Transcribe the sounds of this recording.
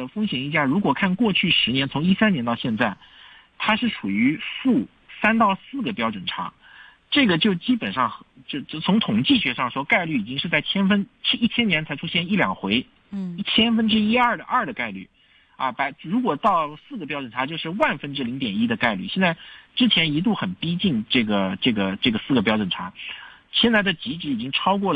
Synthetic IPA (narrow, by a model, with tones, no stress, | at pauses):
ə˩fɤ˥ŋɕjɛ˨˩ni˧˥t͡ɕja˥˩ɻu˧˥kwɔ˨˩kʰa˥˧nkwɔ˥˧t͡ɕʰy˥˩ʂɻ̩˧˥njɛ˧˥nt͡sʰʊ˧˥ŋi˥sa˥nɛ˧˥nt̪ɑ˥˧ʊɕjɛ˥˧nt͡sa˥˩ɪ | t̪ʰa˥ʂɻ̩˥˩ʈ͡ʂʰu˨˩y˧˥fu˥˩ | sa˥nt̪ɑ˥˧ʊsɹ̩˥˩ɡə˩pjɑ˥ʊʈ͡ʂwə˨˩nʈ͡ʂʰa̰˧˥ | ʈ͡ʂɤ˥˩ɡə˩t͡ɕjo˥˩ʊt͡ɕi˥pə˨˩nʂɑ˥˩ŋxt͡ɕo˥˧˥t͡sʰʊ˧˥ŋt̪ʰʊ˨˩ŋt͡ɕi˥˩ɕɥɛ˧˥ʂɑ˥˩ŋʂwɔ˥ka˥˧ɪly˥˩i˨˩t͡ɕi˥ŋʂɻ̩˥˧t͡sa˥˩ɪt͡ɕʰjɛ˥nfə˥nt͡ɕʰi˥˩t͡ɕʰjɛ˥njɛ˧˥nt͡sʰɪʈ͡ʂʰu˥ɕjɛ˥˧ni˥˩ljɑ̰˨˩ŋxwe˧˥ɪ | i˥˩t͡ɕʰjɛ˥nfə˥nʈ͡ʂɻ̩˥i˥ɐ˞˥˩d̪ə˩ʔɐ˞˥˩d̪ə˩ka˥˧ɪly̰˥˩ | a̰˧˩pa˧˥ɪɻu˧˥kwɔ˨˩t̪ɑ˥˩ʊsɹ̩˥˩ɡə˩p̬jɑ˥ʊʈ͡ʂwə˨˩nʈ͡ʂʰa˧˥t͡ɕjo˥˧ʊʂɻ̩˥˧wa˥˩nfə˥nʈ͡ʂɻ̩˥li˧˥ŋt̪jɛ˨˩ni˥d̪ə˧ka˥˧ɪly˥˩ɕjɛ˥˧t͡sa˥˩ɪʈ͡ʂɻ̩˥t͡ɕʰjɛ˧˥ni˧˥t̪̬u˥˩xə˨˩npi˥t͡ɕi˥˧ŋʈ͡ʂɤ˥˩ɡə˩ʈ͡ʂɤ˥˩ɡə˩ʈ͡ʂɤ˥˩ɡə˩sɹ̩˥˩ɡə˩pjɑ˥ʊʈ͡ʂə˨˩nʈ͡ʂʰa̰˧˥ | ɕjɛ˥˧nt͡sa˥˩ɪd̪ə˩t͡ɕi˧˥ʈ͡ʂɻ̩˧˥i˨˩t͡ɕi˥ŋʈ͡ʂʰɑ˥ʊkwɔ˥˩